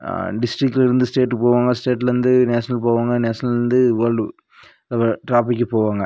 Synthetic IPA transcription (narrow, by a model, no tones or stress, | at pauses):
ɖɪsʈɾɪkːɪlɪɾɯnd̪ɯsʈeːʈːpoːʋaːŋɡɐsʈeːʈːlɐɾɯnd̪ɯneːsɐnɐlpoːʋaːŋɡɐneːsɐnɐlɪɾnd̪ɯʋɐl | lɐʋɐʈɾaːpɪkːɯpoːʋaːŋɡɐ